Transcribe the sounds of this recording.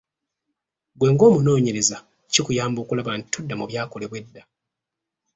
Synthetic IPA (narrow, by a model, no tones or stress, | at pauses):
ɡwe̞ːŋɡo̞ːmuno̞ːɲe̞ɾe̞za | cikujaːmbo̞ːkulaβantʰudːamuβjaːko̞le̞βwe̞dːa